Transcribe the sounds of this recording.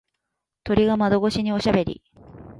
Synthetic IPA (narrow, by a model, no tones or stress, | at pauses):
t̪o̞ɾʲiɡamad̪o̞ɡo̞ɕiɲ̟io̞ɕabe̞ɾʲḭ